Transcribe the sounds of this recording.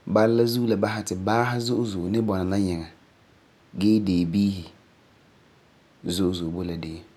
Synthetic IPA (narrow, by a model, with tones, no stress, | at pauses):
ba˦lla˦zuː˦la˨ba˦ɦa˨tɪ˨baː˦ɦa˦zʊ˦ʔzʊ˨nɪ˦bɔ˨na˨na˦ɲɛ˨ŋa˨ | ɡɛː˦deː˨biː˦hi˨ | zʊ˦ʔzʊ˨bo˦la˨deː˦